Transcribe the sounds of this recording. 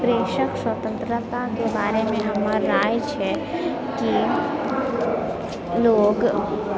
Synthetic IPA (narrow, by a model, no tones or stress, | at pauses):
pɾeːʃəkswət̪ə̃nt̪ɾət̪akebaːɾemẽɦɐmaɾaːjt͡ʃʰɛ | ki | loːɡ